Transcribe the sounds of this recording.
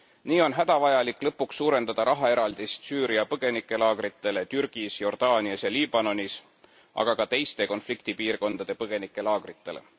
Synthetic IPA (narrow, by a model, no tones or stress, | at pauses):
niːo̞nɦæd̪̥ɑvɑjɑlikːˑlɤpːˑuksːuːɾe̞nd̪ɑd̪̥ɑɾʔɑɦɑe̞ɾɑld̪̥ist̪syːɾiɑpɤɡ̥e̞nikːˑe̞lɑːɡ̥ɾit̪ːˑe̞le̞t̪yɾɡ̥isjo̞rd̪̥ɑːniɑsjɑliːbɑno̞nis | ʔɑ̰ɡ̥ɑkɑt̪e̞jst̪e̞ko̞nflikt̪ipiːrko̞nd̪ɑd̪̥e̞pɤɡ̥e̞nikːˑe̞lɑːɡ̥rit̪ːˑe̞̰lḛ